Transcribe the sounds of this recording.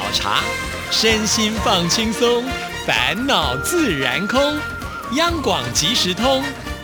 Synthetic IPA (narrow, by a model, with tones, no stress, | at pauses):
ʊʈ͡ʂʰa̰˧˥ | ʂə˥nɕi˥nfɑ˥˩ŋt͡ɕʰi˥ŋsʊ˥ŋ | fa̰˧˥nnɑ˨˩ʊt͡sɹ̩˥˩ɻa˧˥nkʰʊ˥ŋ | jɑ˥ŋkwɑ˨˩ŋt͡ɕi˧˥ʂɻ̩˧˥t̪ʰʊ˥ŋ